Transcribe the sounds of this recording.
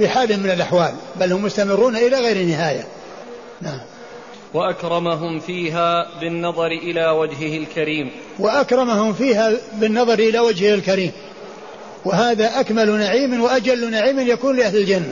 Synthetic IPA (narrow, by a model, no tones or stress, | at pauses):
fiħaːlɪmːɪnalʔaħwaːlbalhʊmjʊst̪amɪrːuːnaʔɪlaɣajɾɪnːɪɦaːja̰ | naʕam | waʔakɾˤɑmaɦʊmfiːɦaːbɪnːɑðˤɑɾɪʔɪlaːwad͡ʒɦɪhɪlkaɾiːm | waʔakɾˤɑmahʊmfiːhabɪnːɑðˤɑɾʔɪlawad͡ʒhɪhɪlkaɾiːm | wɪɦaːðaʔakmalnaʕiːmanwaʔad͡ʒalːnaʕiːmɪnjakuːnlɪʔahlɪld͡ʒanːa